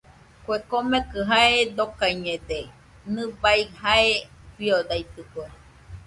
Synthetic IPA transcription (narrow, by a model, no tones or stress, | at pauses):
kʷekomekɨɦaed̪okaiɲẽd̪e | nɨbaihae | fiod̪ajt̪ɨkʷe